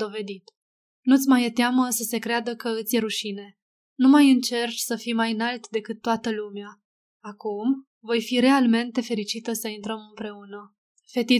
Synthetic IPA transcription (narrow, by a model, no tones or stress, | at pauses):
d̪o̞ve̞d̪it̪ | nut̪sʲmajet̪eaməsəse̞kɾead̪əkəɨt̪sʲjeɾuʃine̞ | numajɨnt͡ʃe̞rt͡ʃsəfimajɨnalt̪d̪e̞kɨt̪ːoat̪əlumeaː | kum | vo̞jfiɾe̞alme̞nt̪e̞fe̞ɾit͡ʃit̪əsəint̪ɾəmɨmpɾe̞unə | fe̞t̪i